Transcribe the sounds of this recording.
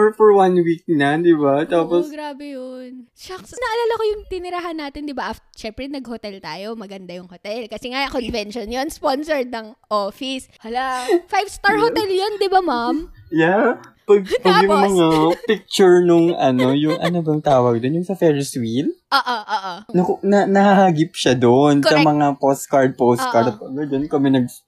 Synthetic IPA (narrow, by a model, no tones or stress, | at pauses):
fɔɹwanwik̚nɐd̪ɪbat̪aːposɡɾaːbɛjont͡ʃɐksnɐʔɐlaːlɐkojʊŋt̪ɪnɪɾaɦanːaːt̪ɪnd̪ɪbaʔɐ | ʃɛmpɾɛnɐɡhot̪ɛlt̪aːjo̞mɐɡɐnd̪ajʊŋhot̪ɛlkɐsɛŋajɐkonvɛnʃonjonsponsɛɹd̪̚nɐŋʔoːfiswɐlafajvst̪aɹɦot̪ɛljond̪ɪbamamjapɐɡ̚pɐɡɡjʊŋmɐŋapɪk̚t͡ʃʊɹnʊŋʔɐno̞jʊŋʔɐ̰nobɐŋt̪aːwɐɡ̚d̪onjʊŋsɐfɛɹɪswilʔoːʔoʔoːʔonɐkonɐnɐhahaɡɪpʃad̪oʔnsɐmɐŋapost̪kɐɹd̪̚pows̚kɐɹp̚ɐɡɐd͡ʒɐnkɐmɛnɐɡ̚